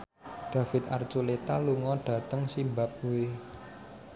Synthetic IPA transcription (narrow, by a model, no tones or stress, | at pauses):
ɖ̪̥ä̤fɪt̪̚a̰rt͡ʃulet̪aluŋɔɖ̥ä̤t̪əŋsimbap̚we